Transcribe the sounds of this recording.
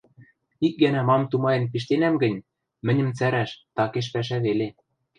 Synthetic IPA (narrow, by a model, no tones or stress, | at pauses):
ik̚ɡænæmɑmt̪umɑjɤ̆npiʃ̬t̪enæmɡɘ̆nʲ | mɘ̆nʲə̆mt͡sæɾæʃt̪ɑkeʃ̬pæʃ̬æβele